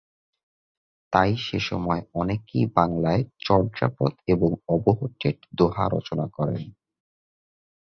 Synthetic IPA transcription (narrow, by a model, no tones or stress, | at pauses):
t̪ajʃeʃɔ̰mɔeɔnekḭbaŋlaet͡ɕɔɾd͡ʑa̰pot̪eboŋɔboɦoʈːeʈd̪oɦa̰ɾɔ̰t͡ɕonakɔɾḛn